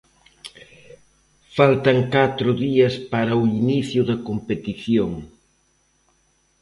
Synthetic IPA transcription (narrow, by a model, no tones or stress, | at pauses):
falt̪ɐŋkat̪ɾʊðiɐspaɾɐuiniθjʊðɐkompet̪iθjoŋ